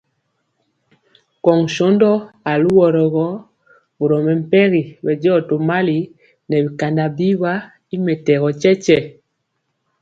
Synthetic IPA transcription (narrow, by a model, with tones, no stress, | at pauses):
kɔ˨ŋ˨ʃɔ˨˦ndɔ˦a˨lu˦wɔ˨ɾɔ˨ɣɔ˦ | bu˨ɾɔ˨mɛ˨m̩˨pɛ˦ɣi˨bɛ˨d͡ʒɔ˦˨to˨ma˦li˨ | nɛ˨bi˨ka˨nda˨bi˦βa˦ | i˦mɛ˨tɛ˨ɣɔ˨t͡ʃɛ˦t͡ʃɛ˦˨